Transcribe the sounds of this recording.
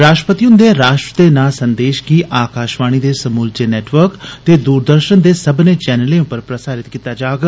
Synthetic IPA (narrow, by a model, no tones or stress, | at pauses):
ɾaːʃʈəpət̪iʊ̃nd̪eːɾaːʃʈɾət̪eːnaːsənd̪eːʃkiːʔaːkaːʃʋaːɽ̃iːd̪eːsəmuːld͡ʒeːnɛːʈʋəɾkt̪eːd̪uːɾd̪əɾʃənd̪eːsəbnẽːt͡ʃɛːnəlẽːʊ̃pəɾpɾəsaːɾɪt̪kiːt̪aːd͡ʒaːɡ